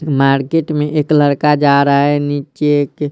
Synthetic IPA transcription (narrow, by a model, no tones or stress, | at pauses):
maːɾkeʈmẽʔeːkləɾkad͡ʒaːɾəaɦɛniːt͡ʃeek